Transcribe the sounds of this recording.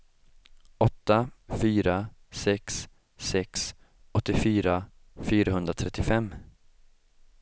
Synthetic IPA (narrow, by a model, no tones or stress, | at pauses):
ɔt̪ːafyːɾasɛksː | ɛks | ɔt̪ːɪfyːɾa | fyːɾaɦɵnd̪ɾat̪ʰɾɛt̪ːɪfɛmː